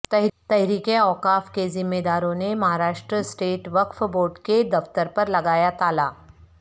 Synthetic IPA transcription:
t̪ɛɦt̪ɛɦɾiːkẽɔːqaːfkezɪmːeːd̪aːɾõnemɐɦaːɾaːʃʈɾəsʈeːʈʋɐkfboːɾɖked̪ɐft̪əɾpɐɾlɐɡaːjat̪aːlaː

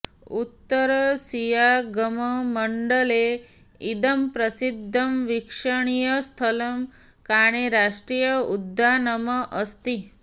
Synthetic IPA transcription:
ut̪ːəɾəsijaɡəməməɳɖəle | id̪əmpɾəsid̪ʱːəmʋikʂəɳ̃ijəst̪ʰələm | kaɽ̃iɾaʂʈɾijəud̪ʱːanəməʔəst̪i

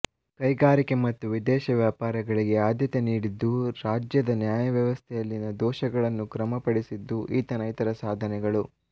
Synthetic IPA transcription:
kɐjɡaːɾike̞mɐt̪ːuʋid̪ɛːʃɐʋjaːpaːɾɐɡɐɭiɡe̞aːd̪ʱjɐt̪eniːɽid̪ːuɾaːd͡ʒjɐd̪ɐnjaːjɐʋjɐʋɐst̪ʰɛjɐlːinɐd̪ɔːʃɐɡɐɭɐnːukɾɐmɐpɐɽisid̪ːuʔiːt̪ɐnɐjit̪ɐɾɐsaːd̪ʱɐnɛɡɐɭu

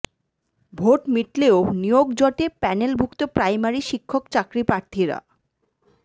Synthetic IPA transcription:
bʱoʈmiʈleonijoɡd͡ʑɔʈepɛnelbʱukt̪opɾajmaɾiʃikʰːokt͡ɕakɾipɾaɾt̪ʰiɾa̰

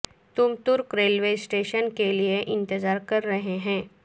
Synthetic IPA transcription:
t̪umt̪uɾkɾelʋesʈeɕənkelijeʔɪnt̪əd͡zaɾkəɾːəɦeɦɛ̃

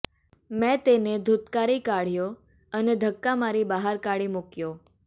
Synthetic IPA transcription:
mɛ̃t̪ened̪ʱut̪kaɾikaɽ̤jo | əned̪ʱəkːamaɾibaɦaɾkaɽimukjo

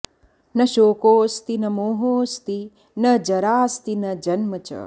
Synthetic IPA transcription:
nɐʃoːkoːst̪inɐmoːɦoːst̪i | nɐd͡ʒɐɾaːst̪inɐd͡ʒɐnmɐt͡ʃɐ̰

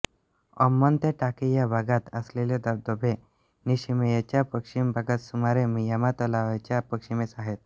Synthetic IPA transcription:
ɔ̰mːənt̪eʈakejabʱaɡat̪əsleled̪əɾd̪ɔbʱe | niɕimjat͡ɕjapəkʂimbʱaɡat̪sumaɾemijamat̪ɔlaʋat͡ɕjapəkʂimesaɦet̪̚

